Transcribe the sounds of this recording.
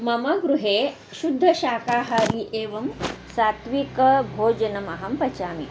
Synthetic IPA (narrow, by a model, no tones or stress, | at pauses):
mɐmɐɡɾuɦeː | ʃud̪ʱːɐʃaːkaːɦaɾiʔeːʋɐmsaːt̪ʋikɐbʱoːd͡ʒɐnɐmɐɦɐmpɐt͡ʃaːmḭ